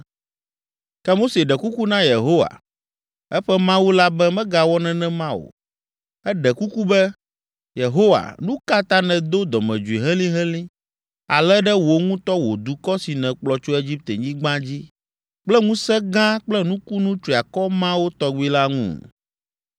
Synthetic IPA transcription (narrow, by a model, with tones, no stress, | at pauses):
kɛ˦mo˦se˨ɖɛ˨ku˦ku˦nã˦je˨ɦo˦wa̰˨ | ɛ˦ɸɛ˦mã˦wu˦la˦bɛ˦mɛ̃˦ɡa˨wɔ˦nɛ̃˨nɛ̃˦mã˦wo̰˨ | ɛ˦ɖɛ˨ku˦ku˦bɛ˦ | je˨ɦo˦wa̰˨nũ˦ka˦t̪ã˦nɛ̃˨d̪o˦d̪ɔ˨mɛ̰̃˨d͡ʒu˨i˨ɦɛ̃˦lĩ˦ɦɛ̃˦lĩ˦ | a̰˨lɛ˦ɖɛ˦wo˨ŋũ˦t̪ɔ˦wo˨d̪u˨kɔ˦si˨nɛ̃˨k͡plɔ˨t͡ʃo˦e˦d͡ʑi˦p̚t̪e˨ɲĩ˦ɡ͡bã˦d͡ʑi˦ | k͡plɛ˦ŋũ˦sɛ˦ɡã˦k͡plɛ˦nũ˦ku˦nũ˦t͡ʃɾi˨a˨kɔ˦mã˦wo˦t̪ɔ˦ɡ͡bu˦i˦la˦ŋṵ̃˦˨